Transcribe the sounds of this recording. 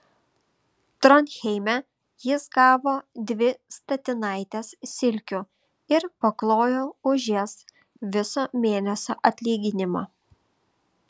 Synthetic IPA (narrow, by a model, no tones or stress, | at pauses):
t̪ɾɔnʲxʲɛɪmʲɛ | jɪsɡɑːʋoːd̪ʲʋʲɪst̪ɐt̪ʲɪnɐˑɪt̪ʲeːssʲɪlʲkʲʊ | ɪɾpɐklˠoːjoːʊʒʲes | ʋʲɪsoːmʲeːnʲɛsʲoːʔɐt̪ʲlʲiːɡʲɪnʲɪmoː